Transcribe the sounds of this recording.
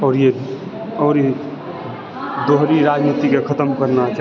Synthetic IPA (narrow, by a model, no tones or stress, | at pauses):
ɔːɾe | ɔɾ | d̪oɦɾiɾad͡ʒnit̪ikekʰət̪əmkəɾnat͡ʃa